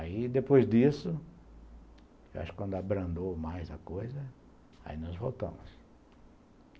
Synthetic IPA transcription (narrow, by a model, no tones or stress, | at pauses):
aid̪epojzd̪isʊ | ewʔa̰ʃʊkːwɐ̃nd̪ʊabɾɐ̃nd̪owmajzɐkojzɐ | a̰inɔzvowt̪ɐ̰̃mʊs